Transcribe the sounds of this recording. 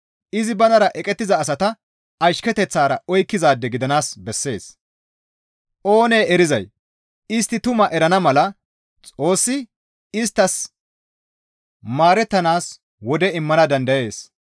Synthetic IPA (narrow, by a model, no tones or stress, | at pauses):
ʔɪzɪbɐnɐɾɐʔɛkʼɛt̪ːɪzɐːs̬ɐt̪ɐ | ɐʃkɛt̪ɛt͡sːaːɾɐɔjkːɪzaːd̪ːɛɡɪd̪ɐnaːsbɛsːe̞ːs | ʔo̞ːneːɛɾɪzɐ̰j | ɪst̪ːɪt̪ʊmɐʔɛɾɐnɐmɐlɐ | t͡sʼo̞ːsːɪ | ɪst̪ːɐs | maːɾɛt̪ːɐnaːs | wɔd̪ɛɪmːɐnɐd̪ɐnd̪ɐje̞ːs